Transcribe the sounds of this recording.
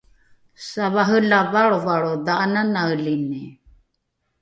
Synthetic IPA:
saβaɦəlavaɺɔvaɺod̪aʔananaəlini

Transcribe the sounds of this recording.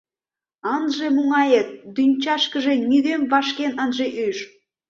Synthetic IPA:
ɑnʒemuŋɑjet̪̚d̪ynʲt͡ɕɑʃkəʒenyðemβɑʃkenənʒeʔyʒ

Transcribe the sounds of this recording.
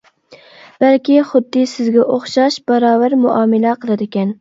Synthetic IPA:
b̥ælkʲiχʊd̪ːɨsɪzɡʲɛʔoχʃɑʃb̥ɑɾɑːvæɾmuʔɑːmɨlɛqʰəlˠɨd̪ɪkʲɛn

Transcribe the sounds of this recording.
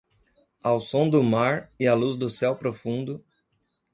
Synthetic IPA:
awsõw̃d̪ʊmaɾɪɐluzd̪ʊsɛwpɾofũnd̪ʊ

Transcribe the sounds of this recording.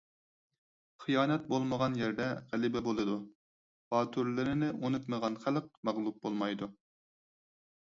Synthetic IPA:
χijɑːnɛt̪̚bolˠməʁɑnjɛɾd̪ɛʁælɪbɛbolˠɨd̪u | hɑːt̪ʰuɾlˠɪɾɪnɪʔonut̪məʁɑnχælˠq̚mɑʁlˠup̚bolˠmɑjd̪u

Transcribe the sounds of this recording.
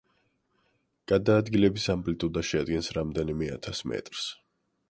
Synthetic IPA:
ɡ̥ad̪aːd̪ɡilɛbisampʼlit̪ʼud̪aʃɛad̪ɡɛnsɾamd̪ɛnimɛa̰t̪ʰasmɛ̰t̪ʼɾs

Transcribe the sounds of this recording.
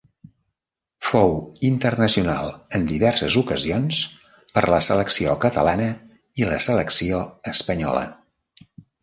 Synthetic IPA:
fowint̪ərnəsiuna̰lˠənd̪iβɛɾsəzukəzions | pəɾləsələksiokət̪əlanə | iləsələksioəspəɲɔ̰lə̰

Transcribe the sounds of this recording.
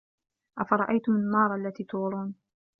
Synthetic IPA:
ʔafɑɾˤɑʔajt̪ʊmnːɑːɾˤʔalːat̪iːt̪uːɾˤuːn

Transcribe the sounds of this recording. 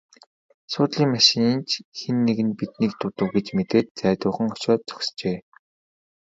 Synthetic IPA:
sʊːt̪ɮiːŋmaʃĭŋint͡ɕxenːeɣɘ̆npit̪niːk̚t̪ʊt̪ə̆wɡet͡ɕmet̪eːt̪̚t͡sæːt̪ʊːχə̆ŋɔʃɔːt̪t͡sœ̥kʲst͡ɕeː

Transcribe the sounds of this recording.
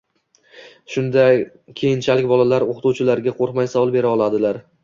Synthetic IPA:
ʃʊnd̪a | kʲʰejɪnt͡ʃʰalɪkʲbɒlalaɾoqt̪uwt͡ʃʰɪlaɾɡʲaqʰoɾqmajsavɒlˠbe̞ɾaɒlˠad̪ɪlaɾ

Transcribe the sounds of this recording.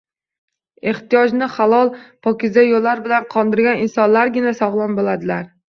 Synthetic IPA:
e̞ht̪ijɒd͡ʒnɪχalˠɒlˠpʰɒkʲɪzajolːaɾbɪlanqʰɒnd̪ɪɾɡʲanɪnsɒnlaɾɡʲɪnasɒʁlˠanbolad̪ɪlaɾ

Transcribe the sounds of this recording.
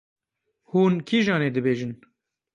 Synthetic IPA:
huːnkʰiʒɑːneːd̪ɨbeːʒɨn

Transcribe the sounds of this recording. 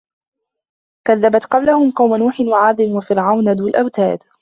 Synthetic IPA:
kaðːabat̪qɑblahʊmqɑwmanuːħɪnwaʕaːðˤɪmwafɪɾʕawnad̪uːlʔawt̪a̰ːd̪

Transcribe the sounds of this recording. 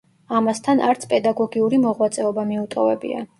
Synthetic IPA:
amast̪ʰanʔa̰ɾt̪sʰpʼɛd̪aɡɔɡiuɾimɔʁwat̪sʼɛɔbamiut̪ʼɔvɛbḭa̰

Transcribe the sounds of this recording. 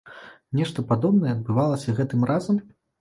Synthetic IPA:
nʲɛʂt̪ɐpad̪ɔbnɐjɛɐd̪̚bɨvalˠɐsʲɐɣɛt̪ɨmrʔazɐm

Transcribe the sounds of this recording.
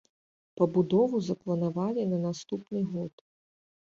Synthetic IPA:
pɐbud̪ɔvuzɐplˠɐnavalʲinɐnast̪upnɨɣɔt̪

